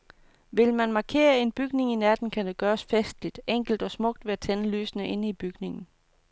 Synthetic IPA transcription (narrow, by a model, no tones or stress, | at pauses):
ʋe̝lmænmɑ̈kʰe̝̰ːɐe̝nb̥yɡ̥ne̝ŋinæd̥n̩kʰæd̥eɡ̥ɶːɐsfesd̥lid̥eŋ̰ɡ̥l̩d̥ɒ̽smɔ̽ɡ̥̚d̥ʋe̝æt͡sʰenəly̰ːsənəʔe̝nəib̥yɡ̥ne̝ŋn̩